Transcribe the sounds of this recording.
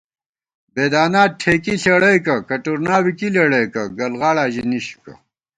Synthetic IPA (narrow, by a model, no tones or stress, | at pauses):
beːd̪aːnaːʈʰeːkiɬeɽɐjkɐkɐʈuɾnaːwikileɽɐjkɐɡɐlɣaːɽaːʑiniɕu̥kɐ̰